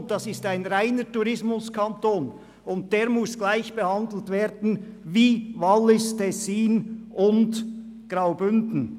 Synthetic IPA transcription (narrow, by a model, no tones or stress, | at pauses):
d̥ɑsɪstaɪnɾaɪnətuɾɪsmʊskʰɑntoːn | ʊnt̚d̥eːɾmʊsɡ̥laɪçb̥əhɑndl̩tveːɾdn̩viːvɑlːɪstʰɛsiːnʔʊnd | ɡ̥ʁaʊbʏndn̩